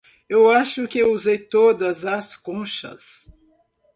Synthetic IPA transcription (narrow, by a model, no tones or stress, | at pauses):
ewaʃʊkɪuzejt̪od̪ɐzɐskõʃɐ̰s